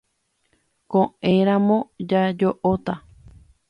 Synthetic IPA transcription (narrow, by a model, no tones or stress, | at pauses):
kõẽɾ̃ãmõd͡ʒad͡ʒoʔot̪a